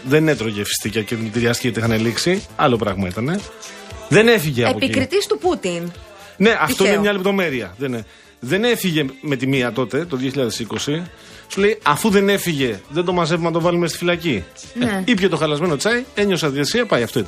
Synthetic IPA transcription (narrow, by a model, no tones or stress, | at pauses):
ðe̞ne̞t̪ɾo̞ʝefi̥st̪icɐceðit̪iɾiɐst̪iceoixɐneliksiɐlo̞pɾɐɣmɐit̪ɐne̞ | ðe̞ne̞fiʝe̞ɐepoikɾit̪ist̪uput̪in | ne̞ʔɐt̪oinemɲɐle̞p̚t̪o̞me̞ɾiɐðene | ðe̞ne̞fiʝe̞me̞t̪imiɐt̪o̞t̪e̞t̪o̞ðioçiʎɐðe̞siko̞si | sule̞jɐfuðe̞ne̞fiʝe̞ðend̪o̞mɐze̞vumenɐt̪o̞vɐlumest̪ifilɐci | ipçet̪o̞xɐlɐzme̞no̞t͡sɐie̞ɲo̞sɐðiesiɐpɐjɐft̪oit̪ɐ